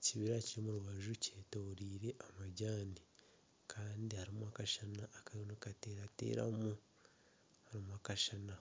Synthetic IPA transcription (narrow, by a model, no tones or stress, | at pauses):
ciβiɾaciɾimuɾuβaʒuceːto̞ːɾiːɾe̞ʔamaɟaːni | kʰaːndihaɾimwakaʃanaʔːkaonekateɾatḛɾa̰mu | haɾimwakaʃana